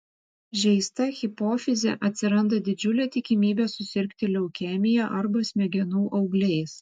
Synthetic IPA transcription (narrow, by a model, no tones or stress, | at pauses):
ʒʲɛɪst̪ɐxʲɪpoːfʲɪzʲɛ̰ʔɐt̪ʲsʲɪɾɐnd̪ɐd̪ʲɪd͡ʒʲʊlʲɛːt̪ʲɪkʲɪmʲiːbʲɛːsʊsʲɪɾʲkʲt̪ʲɪlʲɛʊkʲɛmʲɪjɛʔɐɾbɐsʲmʲɛɡʲɛnuːʔɒʊɡlʲɛɪs